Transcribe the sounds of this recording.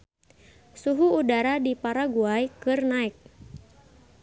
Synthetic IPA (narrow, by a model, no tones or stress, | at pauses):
suɦuːdaɾadipaɾaɡuajkɨrnaik̚